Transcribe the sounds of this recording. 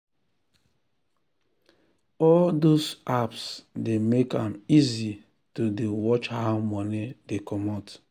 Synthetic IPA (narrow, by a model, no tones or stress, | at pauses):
ɔldozapsdemeka̰mizi | todewɔt͡ʃhaʊmɔnedekʰɔmɔt